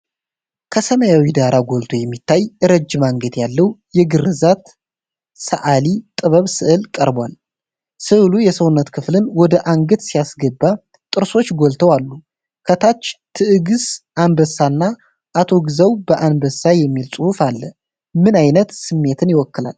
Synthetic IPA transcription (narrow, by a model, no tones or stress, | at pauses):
kʰəsəməjawid̪aɾʔaɡo̞lt̪ʰojɛmːit̪ʰːajʔɨɾəd͡ʒːɪmaŋɡət̪jalːəwjɛɡɨɾɨzat̪ | sə̰ʔalit̪ʼɨβəβsɨʔɨlkʼəɾbwal | sɨʔlujɛsəwnːət̪kʰɨflɨnwɔd̪əʔaŋɡət̪sijasɡəbːa | t̪ʼɨɾso̞t͡ʃːɡolt̪ʰəwalːu | kʰət̪ʰat͡ʃːt̪ʰɨʔɨɡɨsʔanbəsːanːa | ʔat̪ʰo̞ɡɨzəwbəʔanbəsajɛmːilsʼɨhufalːə | mɨnajnət̪sɨmːe̞t̪ʰɨnjɪwɔkːɨlal